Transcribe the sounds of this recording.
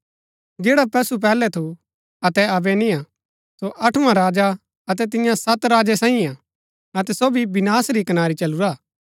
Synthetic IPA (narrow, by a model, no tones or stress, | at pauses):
d͡ʒeːɽapɐsup̬ɛːlɛt̪ʰu | ɐt̪ɛɐbɛnĩa | soʔɐʈʰuãɾaːd͡ʒa | ɐt̪̬ɛt̪̬ɪ̃jãsɐt̪ɾaːd͡ʒesãːĩaː | ɐt̪ɛsoːbibɪnaːsɾikɐnaːɾit͡ʃɐluɾaː